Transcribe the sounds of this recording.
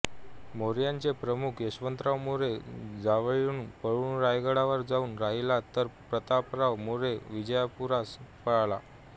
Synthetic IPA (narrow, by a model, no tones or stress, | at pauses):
moɾjãɲt͡sepɾəmukʰjəɕʋənt̪ɾaʋmuɾed͡zaʋɭuːnpəɭuːnɾajɡəɽaʋəɾd͡zauːnɾaɦilat̪əɾpɾət̪apɾawmoɾeʋid͡ʑəjapuɾaspəɭɭa̰